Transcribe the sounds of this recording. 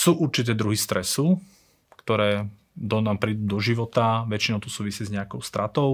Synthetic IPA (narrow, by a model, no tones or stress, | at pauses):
suːʔuɾt͡ʃit̪̬ɛːd̪ɾuɦist̪ɾɛsu | kt̪ɔɾɛː | d̪ɔnaːmpɾid̪uːd̪ɔʒiʋɔt̪aʋɛt͡ʃinɔʊt̪ɔsuːʋisɪizɲɛakɔʊst̪ɾat̪ɔʊ